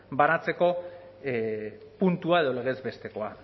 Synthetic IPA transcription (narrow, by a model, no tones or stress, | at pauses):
banat͡se̞ko̞ | punt̪uaeð̞o̞le̞ɣe̞zbe̞st̪e̞ko̞a